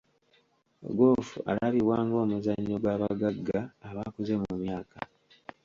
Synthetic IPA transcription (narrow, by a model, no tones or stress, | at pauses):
ɡoːfua̰laβiβwaːŋɡo̞ːmuzaɲːo̞ɡwaβaɡaɡːaːβaːkuze̞mumjaːka